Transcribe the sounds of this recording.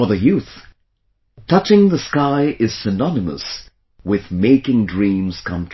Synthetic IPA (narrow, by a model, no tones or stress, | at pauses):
ə˞ðɨjʉθ | tʰʌt͡ʃɪ̃ŋðəskaɪʔɪz̥sɨnɑnɨmə̰s | wɪðmeɪkɪ̃ŋdɹĩmz̥kʰʌ̃mtʰ